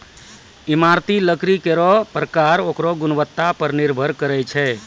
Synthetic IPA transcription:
ɪmaɾt̪iləkɾikeɾɔpɾəkaɾokɾɔɡʊnʋət̪ːapəɾniɾbʱəɾkəɾɛt͡ʃʰɛ

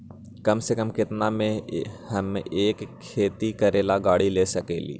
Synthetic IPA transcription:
kɐmsekəmkɪt̪namẽhɐmeːkʰːeːt̪ikɐɾeːlaɡaːɽileːsɐkḛːlḭː

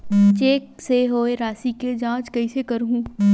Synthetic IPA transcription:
t͡ʃeːkseɦoːeɾaːsiked͡ʒãːt͡ʃkɐisekɐɾɦũː

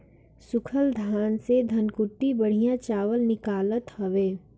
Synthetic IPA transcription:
sʊkʰəld̪ʱaːnsed̪ʱɐnkʊʈːibɐɽ̤ijãt͡ʃaːʋəlnɪkaːlət̪hɐʋeː

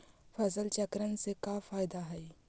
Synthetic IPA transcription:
fɐsəlt͡ʃɐkɾənsekafaːɪd̪aɦɛ

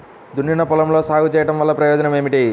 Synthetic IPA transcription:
d̪ʱunːiɳɐpulɐmlo̞ːsaːɡut͡ʃɛːjɐʈɐmʋɐlːɐpɾɐjɔːd͡ʒɐnɐme̞ːmiʈi

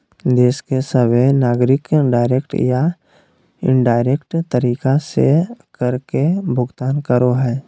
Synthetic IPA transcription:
d̪eːskesəbenaːɡɾɪkɖaːɪɾekʈja | ɪ̰̃ɳɖaːɪɾekʈt̪əɾiːkasḛkəɾkebʱʊɡt̪aːnkəɾoɦɛː

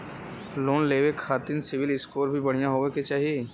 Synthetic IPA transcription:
loːnleːʋekʰaːt̪ɪnsɪʋɪlɪskoːɾbʱibɐɽ̤ijaɦoːeket͡ʃaːɦije

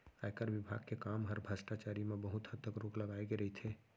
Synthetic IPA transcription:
ajkəɾʋɪbʱa̰ːɡ̚kekaːmɦəɾbʱəsʈat͡ʃaːɾimẽbəɦʊt̪hət̪ːəkɾoːkləɡaːeɡeɾɦit̪ʰeː

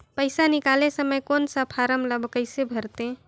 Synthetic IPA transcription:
pəɪsanikalesəməjkonsəpʰaɾəmləbkəɪsebʱəɾt̪ẽ

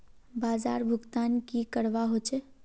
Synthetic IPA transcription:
baːza̰ːɾbʱʊɡt̪aːnkikəɽʋaɦot͡ʃe

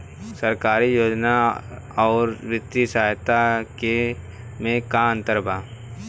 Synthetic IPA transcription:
səɾkaːɾijoːd͡ʒna | ɔːɾʋɪt̪ːisaːjt̪ake | mẽkaə̃nt̪əɾbʱaː

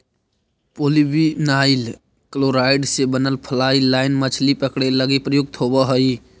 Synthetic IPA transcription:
polibinail | kəloɾaɪɖsebənəlpʰəlailaɪnmət͡ʃʰlipəkɽeləɡepɾəjʊɡ̚t̪ʰobəɦəi

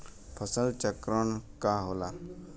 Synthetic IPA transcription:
pʰəsəlt͡ʃəkɾəɳkaːɦoːlaː

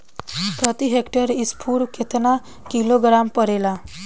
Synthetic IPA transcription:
pɾət̪iɦekʈəɾispʰuːɽkʰet̪na | kiloɡɾampəɾela

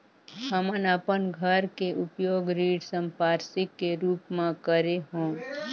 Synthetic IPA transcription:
həmənəpənɡʱəɾkeʔʊpjoːɡɾiːɖsə̃mpaːɾsɪkːeɾuːpmãkəɾeɦõː

